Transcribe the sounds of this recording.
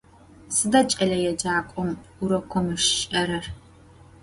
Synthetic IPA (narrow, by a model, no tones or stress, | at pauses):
sɨdɐt͡ʃʼɐɮɐjɛd͡ʒaːkʷʼɔm | uɾɐkʷɔmɨʂʃʼɐɾɐr